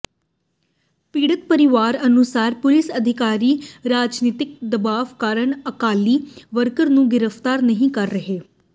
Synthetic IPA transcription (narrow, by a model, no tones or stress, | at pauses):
piːɽət̪̚pəɾɪʋaːɾənʊsaːɾpʊlɪsəd̪ʱɪkaːɾiːɾaːd͡ʒniːt̪ɪk̚d̪əbaːʋkaːɾəɳəkaːliːʋəɾkəɾnũːɡɪɾəpʰt̪aːɾnəɦĩːkəɾːəɦeː